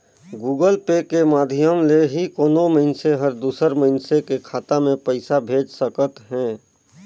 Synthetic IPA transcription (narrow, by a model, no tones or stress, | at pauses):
ɡuːɡəlpekemaːd̪ʱɪjəmleɦikoːnoməɦɪnseɦəɾd̪uːsəɾməɦɪnsekekʰaːt̪amẽpəɪsabʱeːd͡ʒsəkət̪ɦɛ̃ː